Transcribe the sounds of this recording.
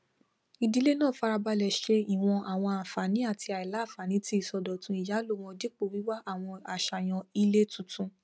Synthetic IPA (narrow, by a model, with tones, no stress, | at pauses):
i˧di˨˦le˦nãː˦˨fa˧ɾa˧ba˧lɛ˨ʃe˧i˨w̃ɔ̃˧a˨w̃ɔ̃˧a˨fa˨nĩ˨˦a˦˨ti˧a˨i˨la˨˦˨fa˨nĩ˨˦ti˦i˦˨sɔ˧dɔ˨tũ˧˦i˨ja˨˦lo˦w̃ɔ̃˧di˦k͡po˧˨wi˨˦wa˦ʔa˦˨w̃ɔ̃˧a˨ʃa˨j̃ɔ̃˧i˧le˦tũ˨tũ˧